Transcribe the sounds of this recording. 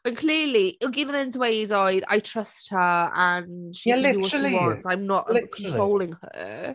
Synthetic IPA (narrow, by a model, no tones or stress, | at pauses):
ənkʰl̥ɪlˠiʔɪlˠɡiðənɛ̃ntʰwejdɔɨða̰jtʰr̥əst̚həanʃiðuwɔʃiwɔntãjmnɔʔkʰɔ̃nttʰɹ̥owlˠɪ̃ŋə̰